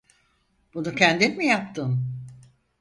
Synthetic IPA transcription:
b̥unucʰɛnd̪inmijapt̪ʰɯm

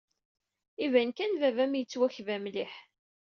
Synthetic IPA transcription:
ivænkænvævæmjət͡sːwæçvæmliħ

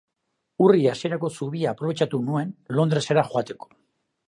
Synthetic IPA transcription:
uriaseɾako̞suβ̞iaːpɾo̞βe̞t͡ʃat̪unue̞nlo̞nd̪ɾe̞se̞ɾaxoat̪e̞ko̥

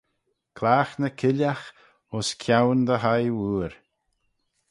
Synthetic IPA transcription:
kʰlaːxnəkʰɪlax | ʊskʰjawnd̪əɦajwuːɾ

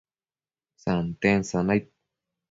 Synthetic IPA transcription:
sant̪ensanaj̚

